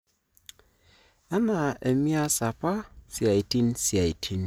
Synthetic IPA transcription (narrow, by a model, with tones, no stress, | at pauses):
a˦na˨e˨mi˦a˦sa˨pa˦sja˨i˨ti˦nsi˨a˨i˨tʰi˦n